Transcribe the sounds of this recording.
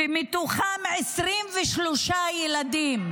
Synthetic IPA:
emit̪uχamʕesʁimveʃloʃajelad̪im

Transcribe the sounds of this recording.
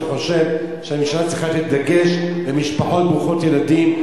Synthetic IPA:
χo̞ʃe̞v | ʃeaminʃalatt͡sʁiχatitd̪aɡe̞ʃlemiʃpaħo̞t̚bʁuχo̞tje̞ladim

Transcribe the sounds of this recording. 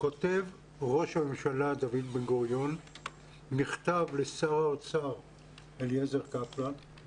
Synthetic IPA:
ko̞t̪ev | ʁo̞ʃhamemʃalad̪avid̪benɡoʁjo̞nː | iχt̪avlesaʁaot͡saʁ | eljezeʁkaplan

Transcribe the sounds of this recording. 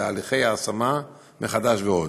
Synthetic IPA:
aːliχe̞jaːsama | meχad̪aʃveo̞d

